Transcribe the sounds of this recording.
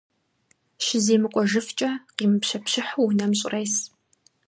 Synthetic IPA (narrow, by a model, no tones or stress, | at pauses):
ʃɪzeːmɨqʷʼɔʒɨft͡ʃʼɐqiːmɨpɕɐpɕɪħuwnɐmɕʼɪrɐjs